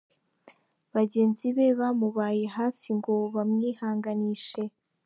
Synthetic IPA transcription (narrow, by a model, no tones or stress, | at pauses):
βaɟe̞ːnziβe̞βamuβaːje̞ɦaːfiŋɡo̞βamŋiːhaːŋɡaniːʃe̞